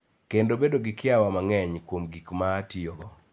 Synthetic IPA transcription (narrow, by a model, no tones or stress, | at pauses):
kendobedoɡɪkɪawamaŋɛɲkwomɡikmaːtiɔɡɔ